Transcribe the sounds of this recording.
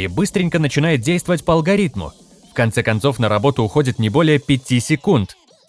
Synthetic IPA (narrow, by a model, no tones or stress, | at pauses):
ɪbɨst̪ɾʲɪnʲkənət͡ɕɪnajɪt̪̚dʲejst̪vəvətʲpəɐlˠɡɐɾʲit̪mʊ̰ | fkɐnt̪sɛkɐnt̪so̞fnəɾɐbo̞t̪ʊːxo̞dʲɪt̪nʲɪbo̞lʲɪjəpʲɪtʲisʲɪkunt̪